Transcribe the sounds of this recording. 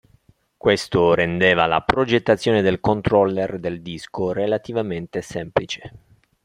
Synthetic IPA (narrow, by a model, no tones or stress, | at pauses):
kwest̪oɾend̪eːvala̰pɾod͡ʒet̪ːat̪sːjoːned̪elkont̪ɾɔlːerd̪eld̪iskorelat̪ivament̪esɛmplit͡ʃe̥